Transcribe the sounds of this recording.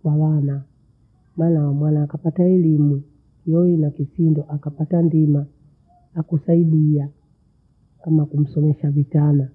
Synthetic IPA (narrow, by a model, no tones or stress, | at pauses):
kwawana | maːnawamwanaːkapataɛlimu | jɔinakisindɔʔakapatandimaː | kusaiɗia | kamakum̩sɔmɛʃavitana